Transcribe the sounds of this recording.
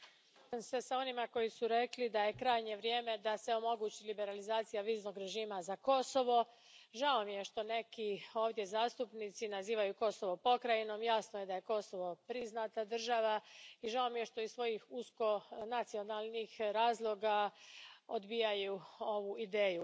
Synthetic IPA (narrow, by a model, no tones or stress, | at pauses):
mse̞sao̞nimako̞jisuɾe̞klid̪aje̞kɾaːjɲe̞ʋɾje̞ːme̞d̪ase̞o̞mo̞ɡuːt͡ɕilibe̞ɾalizaːt̪sijaʋiːzno̞ɡɾe̞ʒiːmazako̞so̞ʋo̞ | ʒaomije̞ʃt̪o̞ne̞kio̞ːʋd̪je̞zaːst̪upnit̪sinaziːʋajuko̞so̞ʋo̞po̞kɾajino̞mjasnoje̞d̪aje̞ko̞so̞ʋo̞pɾiznat̪ad̪r̩ʒaʋaiʒao̞mije̞ʃt̪o̞izsʋo̞jixusko̞nat̪sio̞nalˠnixɾaːzlˠo̞ɡa | o̞d̪bijajuo̞ʋuid̪eːju